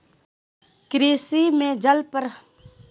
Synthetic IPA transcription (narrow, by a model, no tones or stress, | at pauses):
kɾiːsimẽd͡ʒəlpəɾ